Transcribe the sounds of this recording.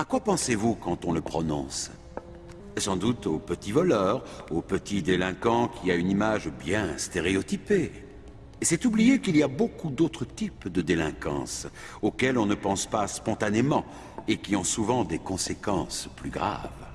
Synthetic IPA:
akwapɑ̃sevukɑ̃t̪ɔ̃ləpχɔnɔ̰̃s | sɑ̃d̪ut̪opət̪ivɔlœʁopət̪ʰid̪elɛ̃kɑ̃kʲʰiaynimaʒbjɛ̃st̪eʁeɔt̪ipe | sɛt̪ublijekiliabokud̪ot̪χət̪ipd̪əd̪elɛ̃kɑ̰̃s | okɛlɔ̃nəpɑ̃spaspɔ̃t̪anemɑ̃ | ekʲiɔ̃suvɑ̃d̪ekɔ̃sekɑ̃splyɡʁa̰v

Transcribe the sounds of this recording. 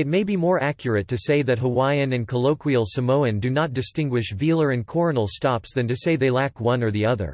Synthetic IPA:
ɨt̚meɪbimɔɹækʰjə˞ɨtʰːɨseɪðɨt̚ɦəwaɪɨ̃nɨ̃nkʰəloʊkʰwil̩ˠsɨmoʊɨ̃ndɨnət̚d̥ɨstɪ̃ŋɡwɨʃvilˠə˞ɨ̃nkʰɔɹnl̩ˠstɑpsðɨ̃ntɨseɪðeɪlækwʌ̃nə˞ðiʌðə̰˞

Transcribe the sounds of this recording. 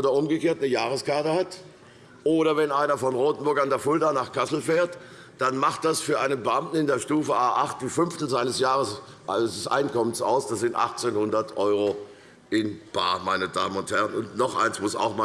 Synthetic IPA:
dɐʔʊmɡəkeːɐtnəjaːʁ̞əskaɐtəhat | ʔoːɾɐvɛnʔaɪnɐfɔnʁoːtn̩bʊɐkandeːɐfʊldanaːχkʰasl̩feːɐt | d̥anmaχt̚d̥asfyːɐʔaɪnənbəʔamtn̩ɪndeːɐʃtuːfəʔaːʔaχt̚d̥iːfʏnftn̩zaɪnəsjaːʁəs | ʔəsʔa̰ɪnkɔmənsa̰ʊsd̥asz̥ɪntʔa̰χt͡seːnhʊndɐtʔɔʏʁo | ʔɪnb̥a̰ːmaɪnəda̰ːmənʊnthɛʁənʊntnɔχʔa̰ɪnsmʊsa̰ʊxma

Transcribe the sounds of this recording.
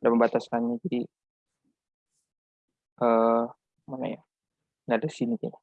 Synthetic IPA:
daməmbat̪askanɲad͡ʒadi | ʔə | mana̰ja | nadasinid͡ʒaja

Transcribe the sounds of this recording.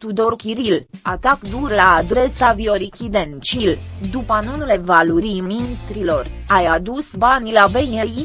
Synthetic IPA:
t̪ud̪o̞rkʲiɾilat̪akd̪urlaːd̪ɾe̞savioɾikʲid̪ent͡ʃild̪upanunele̞valuɾimint̪ɾilo̞rajad̪usbanʲlabejej

